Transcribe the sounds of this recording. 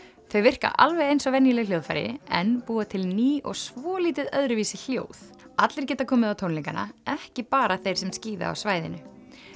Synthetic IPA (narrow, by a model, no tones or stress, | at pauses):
θœɥvɪr̥ka̰ʔa̰lvɛɣejnsɔvɛnjɪlɛɣljowðfa̰jɾɪ̰ɛnpuːat̪ʰɪlniːʔɔ̰ɣsvɔːliːt̪ɪðœðɾʏviːsɪl̥jo̰ːwθ | at̪lɪɾ̥cɛːt̪akʰɔːmɪðawt̪ʰownliŋkana̰ɛhcɪpaːɾaθejɾ̥sɛmsciːða̰a̰wsvaːjðɪ̰nʏ